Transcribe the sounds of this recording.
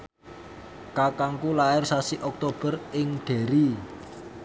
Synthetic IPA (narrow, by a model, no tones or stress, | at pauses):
kakaŋkulaɪrsasiʔɔk̚t̪ob̥ə̤rɪŋɖ̪̥e̤ɾi